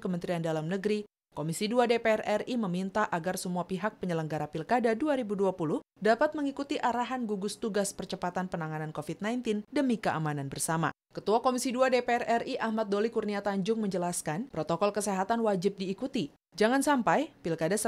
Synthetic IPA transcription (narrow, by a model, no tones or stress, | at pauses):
kəmənt̪ɾiandalamnəɡɾi | komisiduadepeɛrɛriməmint̪aʔaɡarsəmuapiɦak̚pəɲələŋɡaɾapilkadaduaɾibuduapulʊh | dapat̪̚məŋikut̪iʔaɾaɦanɡuɡʊst̪uɡaspərt͡ʃəpat̪anpənaŋanankofit̪̚najnt̪ɪndəmikəʔamananbərsama̰ | kət̪uakomisiduadepeɛrɛriʔahmat̪̚dolikurniat̪aɲd͡ʒʊŋməɲd͡ʒəlaskanpɾot̪okɔlkəseɦat̪anwad͡ʒɪp̚diːkut̪i | d͡ʒaŋansampajpilkadasə